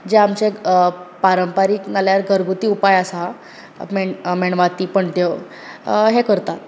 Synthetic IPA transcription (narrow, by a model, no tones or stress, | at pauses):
d͡ʑeamt͡ɕepaɾəmpaɾiːknaljaɾɡʱəɾɡʱut̪iːupajasa | memeɳʋat̪iːpəɳʈjə | ɦekəɾt̪at̪